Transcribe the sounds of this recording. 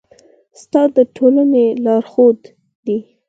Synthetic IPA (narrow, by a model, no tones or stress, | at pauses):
st̪ɑd̪əʈʰolanelɑɾxod̪ː | i